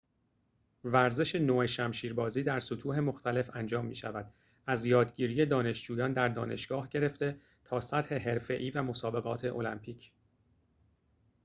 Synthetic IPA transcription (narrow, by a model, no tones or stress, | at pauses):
væɾze̞ʃe̞noːeʃæmʃiːɾbɒːziːd̪æɾsot̪ʰuːɦe̞mo̞xt̪ʰæle̞fænd͡ʒɒːmːḭːʃævæd̪̥ | æzjɒːd̪ɟiːɾije̞d̪ɒːne̞ʃd͡ʒuːjɒːnd̪æɾd̪ɒːne̞ʃɡ̥ɒːhɟe̞ɾe̞ft̪e̞ | t̪ʰɒːsæt̪he̞ɦe̞ɾfe̞ʔiːvæmo̞sɒːbe̞ɣɒːt̪ʰe̞ʔo̞̰læmpʰiːcʰ